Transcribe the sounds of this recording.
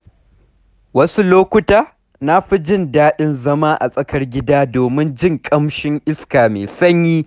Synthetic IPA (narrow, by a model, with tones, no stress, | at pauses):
wɐ˦su˦loː˦kʷʊ˦taː˦ | na˦ɸi˦d͡ʒɪ˦˨ndaː˦ɗɪ˦nzɐ˦maː˦ʔa̰˨sʼɐ˦kɐ˦rɡʲɪ˦daː˦doː˨mɪ˦nd͡ʒɪ˦ŋkʼɐ˦mʃɪ˦ŋʔɪ˦skaː˨meː˨sɐ˦ɲjiː˦